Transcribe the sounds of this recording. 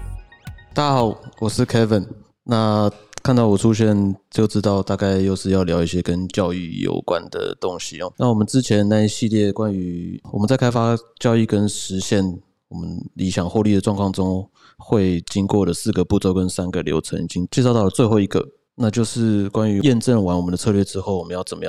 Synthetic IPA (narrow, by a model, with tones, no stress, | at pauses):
t̪a˥˩t͡ɕa˥xɑ˨˩˦ʊwɔ˨˩ʂɻ̩˥˩kʰɛ˥və˨˩n | na˥˨kʰa˥˧nt̪ɑ˥˩ʊwɔ˨˩ʈ͡ʂʰu˥ɕ̬jɛ˥˧nt͡ɕjo˥˩ʊʈ͡ʂɻ̩˥t̪ɑ˥˧ʊt̪a˥˧ka˥˧ɪjo˥˧ʊʂɻ̩˥˧jɑ˥˩ʊljɑ˧˥ʊi˥˩ɕjɛ˥kə˦˥nt͡ɕjɑ˥˧ʊy̰˥˩jo̰˨˩ʊkwa̰˦˥nd̪ə̰˨˩t̪ʊ˦˥ŋɕi˨˩na˥˩wɔ˨˩mə˨˦nʈ͡ʂɻ̩˥t͡ɕʰjɛ˧˦nna˥˩i˧˥˩ɕi˥˧ljɛ˥˩kwa˦ny˧˥wɔ˨mə˨˦nt͡sa˥˩kʰa˥ɪfa˥t͡ɕjɑ˥˧ʊy˥˩kə˥nʂɻ̩˧˥ɕjɛ˥˩n | wɔ˨˩mə˦nlʔi˧˥ɕjɑ˨˩ŋxwɔ˥˧ly˥˩d̪ə˩ʈ͡ʂwɑ˥˧ŋkʰwɑ˥˩ŋʈ͡ʂʊ˥ŋ | xwe˥˩ɪt͡ɕi˥ŋkwɔ˥˩d̪ə˩sɹ̩˥˩ɡə˩pu˥˧˩t͡so˥˧ʊkə˦nsa˥nɡə˨ljo̰˧˥ʊt͡sʰɤ̰˧˥ŋi˨˩t͡ɕi˥ŋt͡ɕjɛ˥˧ʂ̬t̪ɑ˥˩ʊlə˩t͡swe˥˧xo˥˩ʊi˧˥ɡə̰˧ | na˥˧t͡ɕjo˥˧ʊʂɻ̩˥˩kwa˥ny˧˥jɛ˥˧nʈ͡ʂə˥˩nwa˧˥nwɔ˨˩mə˦nd̪ə˧t͡sʰɤ˥˧lɥɛ˥˧ʈ͡ʂɻ̩˥xo˥˩ʊwɔ˨˩mə˦jɑ˥˩ʊt͡sə˨˩nmə˦jɑ˥˨